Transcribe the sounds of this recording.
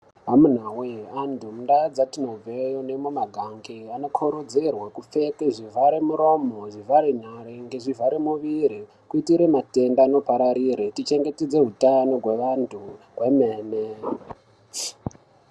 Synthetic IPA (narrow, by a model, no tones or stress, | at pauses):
ɦamun̤aweantʰumundaad͡zatino̞b͡vejonemumaɡʱaŋɡiano̞kʰoɾod͡zerwakufe̞keʐivʱaɾemuɾomoʐivaɾen̤aɾeŋɡeʐivaɾemuʋiɾi | kuitiɾe̞mate̞ndaːno̞paɾaɾiɾetit͡ʃe̞ŋɡe̞ted͡ze̞ɦutano̞ɡwe̞ʋantʰuɦwemeːne